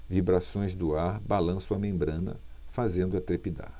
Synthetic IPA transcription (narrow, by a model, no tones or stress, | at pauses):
vibɾasõj̃zd̪ʊaɾbalɐ̃sʊɐmẽmbɾɐ̃nɐ̰fazẽnd̪ʊat̪ɾepid̪a̰ɾ